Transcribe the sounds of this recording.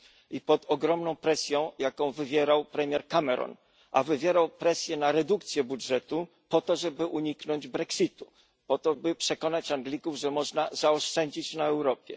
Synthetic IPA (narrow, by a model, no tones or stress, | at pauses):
ipɔt̪ɔɡɾɔmnɔ̃w̃pɾɛsʲjɔ̃w̃jakɔ̃w̃vɘvʲjɛɾawpɾɛmʲjɛɾkamɛɾɔ̰n | ʔa̰vɘvʲjɛɾawpɾɛsʲjɛnaɾɛd̪uk̚t̪sʲjɛbudʐɛt̪u | pɔt̪ɔʐɛbɘʔuɲiknɔɲd͡ʑbɾɛksʲit̪u | pɔt̪ɔbɘpʂɛkɔnat͡ɕaŋɡlʲikuvʐɛmɔʐnazaɔʂt͡ʂɛɲd͡ʑit͡ɕnaɛwɾɔpʲjɛ̰